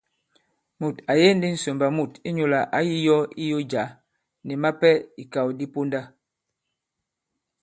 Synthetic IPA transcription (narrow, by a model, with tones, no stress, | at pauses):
mu˨ta˨je˦n̩˦di˦n̩˨so˨mba˨mu˨ti˦ɲo˨la˨ʔa˦ji˦jɔ˦i˦jo˦d͡ʒa˨˦ | nɛ˨ma˦pɛ˦i˨ka˨wdi˦po˦nda˦